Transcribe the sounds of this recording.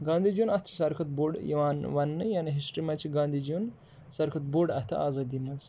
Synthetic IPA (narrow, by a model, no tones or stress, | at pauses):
ɡãːnd̪ʱid͡ʒunɐst̪ʰt͡ʃʰi̥sɐɾkʰɐt̪̚boːɾɖjḭʋaːnʋɐnːɨjaːniɦisʈɾimɐt͡ʃʰiɡãːnd̪ʱid͡ʒun | sɐɾkʰɐt̪̚boːɾɖɐ̰ht̪ʰɐ̰aːzaːd̪imɐz